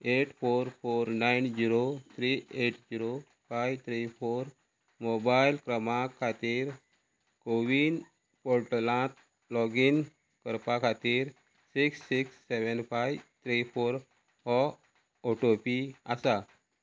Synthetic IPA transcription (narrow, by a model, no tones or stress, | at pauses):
eʈfoɾfoɾnajnd͡ʑiɾot̪ʰɾieʈd͡ʑiɾo | fajʋt̪ʰɾifoɾ | mobajlkɾəmãkʰat̪iːɾ | koʋin | poɾʈlãt̪ | lɔɡin | kəɾpakʰat̪iːɾ | siksːiksːeʋənfajʋt̪ʰɾifoɾ | ɔ | ɔʈopiasa